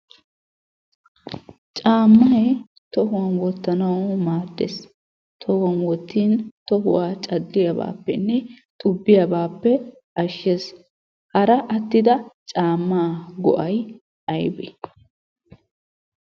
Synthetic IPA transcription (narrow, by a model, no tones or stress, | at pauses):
t͡ʃʼaːmːɐe | t̪ɔɦʊwɐnwɔt̪ːɐnɐwmaːd̪ːḛs | t̪ʰɔhʊɐnwɔt̪ːiːnt̪ɔɦʊwaːt͡ʃʼɐdːɪjɐba̰ːpːɛnːɛt̪ʼʊbːɪjɐbaːpːɛ | ʔɐʃːes | hɐɾɐʔɐt̪ːɪd̪ɐt͡ʃʼaːmːaːɡɔ̰ʔɐj | ʔɐjbɛ